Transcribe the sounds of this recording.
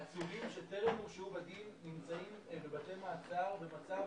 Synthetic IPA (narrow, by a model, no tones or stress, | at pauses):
at͡sulimʃeteʁemuʃubadinːimt͡saimbebatemaːt͡saʁbemat͡sa